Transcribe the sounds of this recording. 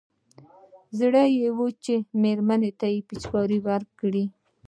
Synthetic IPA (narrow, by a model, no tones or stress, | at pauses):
zɽəjewut͡ʃemeɾmanet̪ajepit͡ʃkɑɾiwaɾkɽi